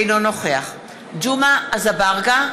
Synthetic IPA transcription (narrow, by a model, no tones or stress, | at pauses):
jnonoχeaχ | d͡ʒumaːzabaʁɡa